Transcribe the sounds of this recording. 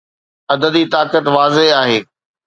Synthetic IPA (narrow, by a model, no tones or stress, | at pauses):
ɐd̪əd̪it̪aːkət̪ʋaːzeɦaːɦeː